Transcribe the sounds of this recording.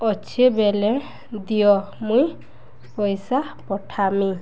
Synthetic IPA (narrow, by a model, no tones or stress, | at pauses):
ɔt͡ʃʰebele | d̪ijɔmuj | pɔjsapɔʈʰami